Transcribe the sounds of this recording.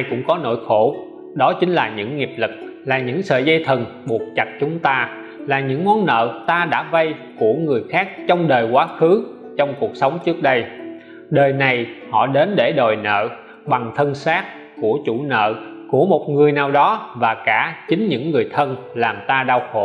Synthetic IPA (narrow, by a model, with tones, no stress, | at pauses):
ʔa˧jkʊ̰˧˥ŋ͡mkɔ˨˦no̰˧˥˨jxo˧˩ | ɗɔ˨˦t͡ɕï˨˦ŋ̟laː˨˩ɲɨ̰˧˥ŋːi˨˩əp̚lɨ˨˩k̚laː˨˩ɲɨ̰˧˥ŋsə̰ː˧˨zə˧jt̪ʰə˨˩n | ɓu˨˩k̚t͡ɕa˨˩t̚t͡ɕʊ˨˦ŋ͡mt̪aː˧ | laː˨˩ɲɨ̰˧˥ŋmɔ˨˦nːə̰ː˧˨t̪aː˧ɗa̰ː˧˥və˧jku˧˩əŋɨ˨˩əjxaː˦˥k̚t͡ɕɔ˧wŋ͡mɗəː˨˩jkwaː˨˦xɨ˨˦ | t͡ɕɔ˧wŋ͡mku˨˩ək̚sə˨˦wŋ͡mt͡ɕɨ˦˥ək̚ɗə˧j | ɗəː˨˩jna˨˩jhɔ̰˧˨ɗe˨˦nɗe˧˩ɗə˨˩jnə̰ː˧˨ | ɓa˨˩ŋt̪ʰə˧nsaː˦˥t̚ | ku˧˩ət͡ɕṵ˧˩nə̰ː˧˨ku˧˩əmo˨˩t̚ŋɨ˨˩əjnaː˨˩wɗɔ˨˦vaː˨˩kaː˧˩t͡ɕï˨˦ŋ̟ɲɨ̰˧˥ŋːɨ˨˩əjt̪ʰə˧n | laː˨˩mt̪aː˧ɗaː˧wxo̰˧˨